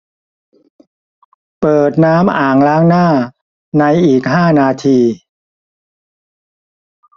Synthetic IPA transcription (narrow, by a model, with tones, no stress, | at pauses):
pɤː˨˩t̪̚naː˦˥mʔaː˨˩ŋlaː˦˥ŋnaː˥˩ | na˧jʔiː˨˩k̚ɦaː˥˩naː˧t̪ʰiː˧